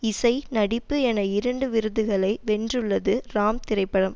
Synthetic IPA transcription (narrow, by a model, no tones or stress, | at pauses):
ɪsɐɪnɐɽɪpːɯɛnɐɪɾɐɳɖɯʋɪɾɯðɯɣɐɭɐɪʋɛndrɯɭːɐðɯɾaːmt̪ɪɾɐɪpːɐɽɐm